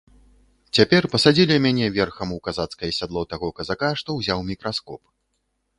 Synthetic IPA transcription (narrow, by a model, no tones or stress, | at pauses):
t͡sʲapʲɛrpɐsad͡zʲilʲimʲanʲɛvʲɛrxɐmukazat̪skɐjɐsʲad̪lˠɔt̪aɣɔkɐzakaʂt̪ɔwzʲawmʲikɾaskɔ̰p